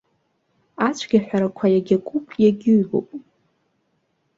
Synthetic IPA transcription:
at͡ʃʷʰɡʲaħʷᶣaɾakʷʰajaɡʲakʷʼupʼjaɡʲɪɥbo̰wpʼ

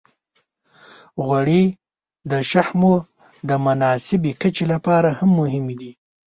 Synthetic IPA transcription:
ɣwaɽe | d̪əʃahmo | d̪əmʊnɑsɪbekət͡ʃelapɑɾahamːʊɦɪmed̪i

